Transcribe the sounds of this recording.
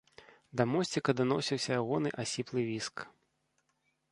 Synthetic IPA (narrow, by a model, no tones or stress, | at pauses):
d̪ɐmɔsʲt͡sʲikɐd̪anɔsʲiwsʲɐjaɣɔnɨʔasʲiplˠɨvʲisk